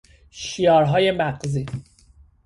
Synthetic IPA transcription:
ʃiɒːɾɦɒːje̞mæɢziː

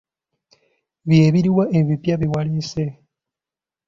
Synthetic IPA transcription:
βjeːβiɾiwaʔeβipjaβiwalise

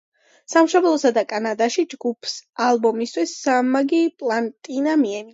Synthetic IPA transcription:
samʃɔblˠɔsad̪akʼanad̪aʃid͡ʒɡupʰsalˠbɔmist̪ʰwisːamaɡipʼlant̪ʼinamiɛni

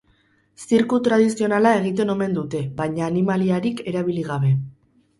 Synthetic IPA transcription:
siɾkut̪ɾað̞isio̞nalae̞ɣ̞it̪̬e̞no̞me̞nd̪ut̪e̞βajɲaːnimaliaɾike̞ɾaβ̞iliɣ̞aβe̞

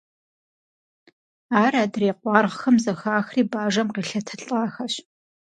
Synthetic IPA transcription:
aːraːdreːqʷɑːrʁxɐmzɐxaːxriːbaːʒɐmqeːɬɐtʰɐɬʼaːxɐɕ

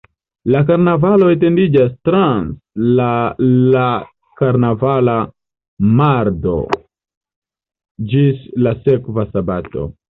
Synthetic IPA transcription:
lakaɾnavaloet̬endid͡ʒas̬tɾãnslala | kaɾnavala | maɾdo̰ | d͡ʒislasekvasabato̰

